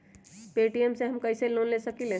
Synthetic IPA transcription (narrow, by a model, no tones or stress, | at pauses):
peʈiemseɦəmkəjselonlesəkilẽ